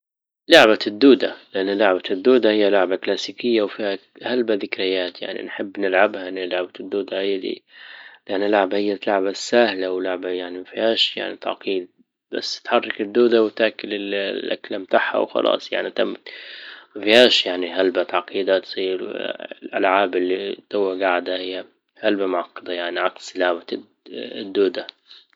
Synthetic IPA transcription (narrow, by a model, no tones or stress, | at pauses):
lʊʕbad̪ːuːd̪alɪʔanːalaʕbad̪ːuːd̪ahɪjːalʊʕbaklaːsiːkɪjːawfiːhahalbaðɪkɾɪjaːt̪ja̰ʕnḭnħɪbːnɪlʕabhaʔɪnːɪlaʕbad̪ːuːd̪aʔajd̪ḭlɪʔanːɪlʊʕbahɪjːat̪laʕbasaːhlawlʊʕbajaʕnimafihaːʃja̰ʕnit̪ɑ̰ʕqiːd̪̚ | b̥a̰sːt̪ħɑrˤːɑkɪd̪ːuːd̪awt̪aːkɪlɪlːʔa̰klamt̪aħha̰wxɑ̰lʔɑ̰ːsˤja̰ʕnit̪amːmafihaːʃjaʕniɦalbat̪ɑʕqiːd̪at̪sˤiːɾlʔa̰lʕaːbɪlːit̪ʊwːaɡaʕd̪hahɪjːa | halbamʊʕɑqːɑd̪ajaʕniʕɑqslaʕba | d̪ːuːd̪a